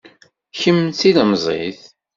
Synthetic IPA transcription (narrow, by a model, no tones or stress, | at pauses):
çəmːθiləmzˤḛθ